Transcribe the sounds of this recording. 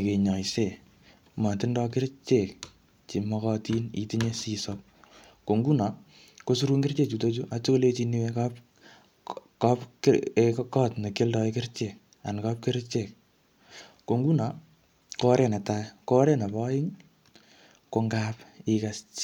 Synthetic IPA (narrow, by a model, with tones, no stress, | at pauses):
i˨ke˨ɲɔ˨jse˨ | ma˨tɪ˦ndɔ˦k̬ɪ˦ɾt͡ʃe˨k̚ | t͡ʃi˨mɔ˧kɔti˦nḭti˦ɲe˦si˧sɔp̚ | ko˨ŋɡu˦na˨˦ | ko˦s̬u˦ɾu˦ŋɡɪ˦rt͡ʃe˦k̚t͡ʃu˧to˦t͡ʃu˦ʔat͡ʃo˦ko˦le˦t͡ʃi˧ni˦wekap | kɔpkekkɔ˦tne˨kɪ˦ldɔ˧ikɪ˦rt͡ʃe˨k̚ | a˨nka˦p̚kɪ˦ɾt͡ʃe˨k̚ | ko˧ŋɡu˦na˨ | kɔ˦ɾe˨nɛ˨ta˦kɔ˦ɾe˦na˨bɔ˦ɪ˦ŋ | ko˧ŋɡapikas